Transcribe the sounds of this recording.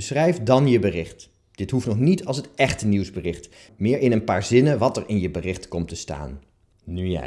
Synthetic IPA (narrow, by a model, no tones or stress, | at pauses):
əsrɛjfdɑnjəbərɪχt | d̥ɪtɦuftnɔχnitɑlˠsɦətɛχtəniwzbərɪχt | mɪːɹɪnənpaːɹzɪnəʋɑtəɹɪnjəbərɪχtkɔmtəsta̰ːn | nyja̰